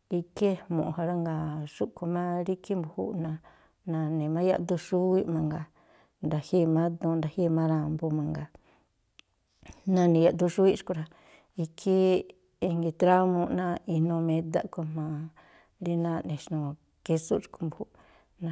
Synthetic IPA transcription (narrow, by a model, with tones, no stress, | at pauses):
i˧ke˦mõ˨ʔha˧ɾa˦ŋɡa˨ʂu˦ku˧mã˦ɾi˦kʰi˦mbu˨hṵ˦ʔnã˧ | nã˧nẽ˨mã˦ja̰˦˧ʔd̪u˧ʂu˦i˦mã˧ŋɡa˨ | nd̪a˨hi˦˧˨mã˦d̪ũ˧˦nd̪a˨hi˦˧mã˦ɾa˧mbo˧mã˧ŋɡa˨ | nã˧nĩ˧ja˨ʔd̪u˦˧ʃu˦i˦ʃu̥˧ku˧ɾa˧ | i˧kʰi˦ | i˧ŋɡi˧t̪ɾa˦mõ˧nã˦i˧nõ˧mẽ˧d̪a˦ʔku˧mã˧ | ɾi˦nã˦˧nẽ˨ʃnũ˧ | ke˦su˦t͡ʃu̥˧ku˧mbu˨hu˧˦ | nã˧